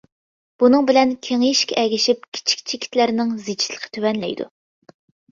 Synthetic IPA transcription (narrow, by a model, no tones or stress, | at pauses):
b̥unɨŋbɪlɛnkʲʰeŋjiʃkʲʰɛɛɡʲiʃip̚kʲʰi̥t͡ʃʰi̥k̚ʲt͡ʃʰekʲʰi̥t̪læɾnɪŋzet͡ʃʰi̥lə̥qʰːə̥t̪ʰøwɛnlɛ̰jd̪ṵ